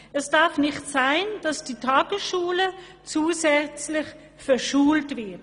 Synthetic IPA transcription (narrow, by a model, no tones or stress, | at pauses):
ʔɛsd̥ɑɐfnɪχtsaɪnd̥ɑsd̥iːtʰɑːɡ̥əsʃuːlə | t͡suːzɛt͡slɪχ | fɛʃuːltvɪɐt